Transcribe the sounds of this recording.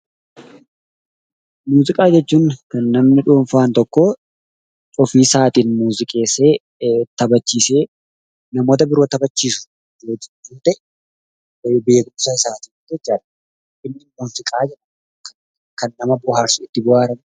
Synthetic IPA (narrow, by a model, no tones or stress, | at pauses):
muːzɪkʼaːd͡ʒɛt͡ʃːuːŋkɐnːɐmnɪᶑuːɱfaːnt̪ɔkːo | ɔfiːsaːt̪iːnmuːzɪkʼeːseː | t̪ɐbɐt͡ʃːiːseː | nɐmoːt̪̬ɐbɪɾoːt̪ɐbɐt͡ʃːiːsʊ̥ | d͡ʒoːd͡ʒɪd͡ʒuːt̪ɛʔ | beːɡʊmsaːɪsaːt̪iːnd͡ʒɛt͡ʃːaːᶑɐ̥ | ʔɪnːɪʔuːnfɪkʼaːd͡ʒɛᶑɐn | k | kɐnːɐmɐbʊhaːɾsʊɪt̪ːɪbʊhaːɾɐn